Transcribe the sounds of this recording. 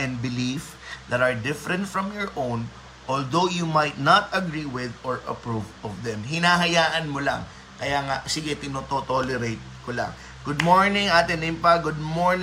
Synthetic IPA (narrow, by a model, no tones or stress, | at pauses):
ʔɛ̃n̚bɪlif | d̪ɐt̪ɐɹd̪ɪfɾɛ̃nt̪fɹɐmjɔɹʔõwn | ʔold̪owjumajt̪̚nat̪ɐɡɹiwɪðɔɹʔɐ̰pɹuvɔvd̪ɛmɦɪnaːɦɐjaːʔɐnmola̰ŋ | kɐjaːŋaʔsiɡɛt̪ɪnot̪ot̪olɛɾejt̪̚kola̰ŋ | ɡʊd̪moɹnɪŋʔaːt̪ɛnɪmpaɡʊd̪̚moɹn